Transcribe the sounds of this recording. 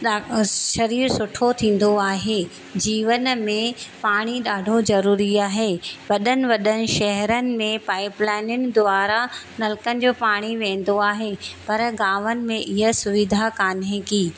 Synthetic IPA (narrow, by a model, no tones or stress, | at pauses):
ɗʃɐɾiːɾsʊʈʰot̪ʰĩːn̆d̪oaːɦeː | d͡ʑiːʋənmẽpaːɽ̃iɗaːɖʱozɐɾuːɾiaːɦeːʋɐɗənɪ̆ʋɐɗənɪ̆ʃɛɦɾənɪ̆mẽpaːɪplaːɪnɪnɪ̆d̪ʊaːɾanɐlɪkənɪ̆d͡ʑoːpaːɽ̃iʋẽːn̆d̪oaːɦepɐɾɡaːʋənɪ̆mẽʔɪɦəsʊʋɪd̪ʱakaːnẽkiː